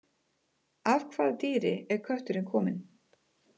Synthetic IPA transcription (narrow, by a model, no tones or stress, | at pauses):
av̥kʰvaːðat̪iːɾɪ̰ɛɾ̥kʰœht̪ʏɾɪnkʰɔːmɪn